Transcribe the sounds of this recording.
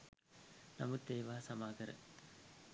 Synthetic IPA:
nɐmɐd̪eːʋaːsɐmaːɡɐɾɐ̰

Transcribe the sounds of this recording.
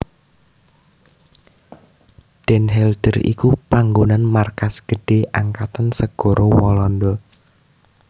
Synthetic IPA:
ɖ̥ɛnɦɛld̥ərḭkupaŋɡonanmarkasɡ̥ə̤ɖ̥e̤ʔaŋkat̪ansəɡ̥ɔ̤ɾʔowɔlɔndɔ

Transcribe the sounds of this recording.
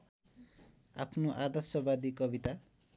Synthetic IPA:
a̰pʰnoʔad̪ʌsʌbad̪ikʌbit̪a

